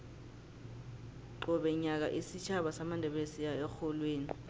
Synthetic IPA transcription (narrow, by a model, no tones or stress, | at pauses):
ǃɔɓɛɲak̬a̰ʔisit͡ʃʰaɓasamandʱɛɓesiaɛxɔlweːni